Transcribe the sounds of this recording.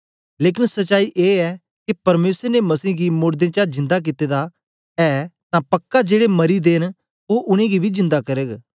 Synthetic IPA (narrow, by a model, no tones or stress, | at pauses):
leːk̬ɪnsɐt͡ʃaːiʔeːɛ | kipɐɾmeːsəɾnemɐsiːɡimʊɽd̪ẽːt͡ʃad͡ʒɪ̃nd̪ak̬ɪt̪eːd̪a | ɛːt̪ãpɐkːad͡ʒeːɽemɐɾid̪eːn | oʔʊñẽɡibʱizɪ̃nd̪akɐɾəɡ